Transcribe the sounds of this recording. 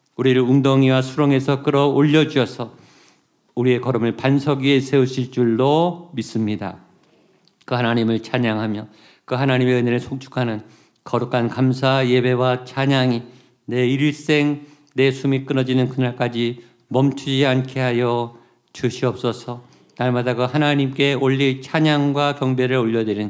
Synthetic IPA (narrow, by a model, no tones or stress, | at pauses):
uɾiɾɯɭuŋdoŋiwasʰuɾoŋe̞sʰʌk͈ɯɾʌoʎːʌd͡ʑuʌsʰʌ | uɾie̞kʌɾʌmɯɭpansʰʌɡie̞sʰe̞uɕʰiɭt͡ɕ͈uɭdomis͈ɯmɲida̰ | kɯhanaɲimɯɭt͡ɕʰaɲaŋɦamjʌ | kɯɦanaɲimeɯneɾesʰok̚t͡ɕʰu̥kʰanɯn | kʌɾukʰankams̬ʰaje̞be̞wat͡ɕʰaɲaŋi | ne̞iɭs͈e̞ŋ | ne̞sʰumik͈ɯnʌd͡ʑinɯnkɯnaɭk͈ad͡ʑi | mʌmt͡ɕʰud͡ʑiankʰeɦajʌ | t͡ɕuɕʰiʌp̚s͈ʌsʰʌ | naɭmadaɡɯhanaɲimk͈e̞oʎːit͡ɕʰaɲaŋɡwakjʌŋbe̞ɾɯɭoʎːʌdweɾin